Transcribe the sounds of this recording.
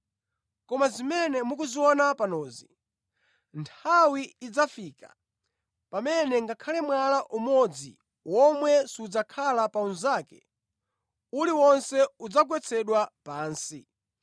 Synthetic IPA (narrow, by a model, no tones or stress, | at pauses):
kɔmazimɛnɛmuk̬uziwɔnapanɔːzi | ntʰawiːd͡zafiːka̰ | pamɛnɛŋɡakʰalɛmwalaʔumɔd͡zḭ | wɔmwɛsiud͡zakʰalapaunzaːkɛ̰ | uliwɔnsɛud͡zak̬wɛt͡sʰɛɗwapaːnsi